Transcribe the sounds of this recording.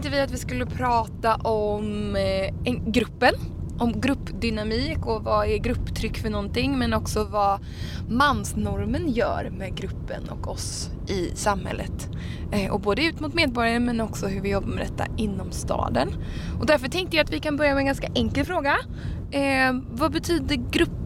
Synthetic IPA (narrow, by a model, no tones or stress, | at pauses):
ŋt̪əvɪat̪vɪskɵlːəpʰɾɑːt̪aʔɔm | ɛɡɾɵpːənʔɔmɡɾɵpːd̪ʏnamiːkɔvɑɛɾɡɾɵpːt̪ʰɾʏkːfœɳɔnt̪ɪŋːmɛnɔksɔvɑ | manːsnɔɾmənjœ̰ːɾmɛɡɾɵpːə̰nɔ̰kɔ̰s | ʔɪsamhɛ̰lːə̰t̪ | ʔɔboːd̪əʉ̟ːt̪mʊt̪meːd̪̚bɔɾjaɾəmɛnɔksɔɦɵɾvɪjɔbːamɛd̪ɛt̪ːa̰ɪnːɔmst̪ɑ̰ːd̪ən | ʔɔd̪æɾfœʈʰɛŋkt̪əjaat̪vɪkanbœɾjamɛnɡanskaʔɛŋkəlfɾoːɡa | vabɛt̪ʰyːd̪əɾɡɾɵpː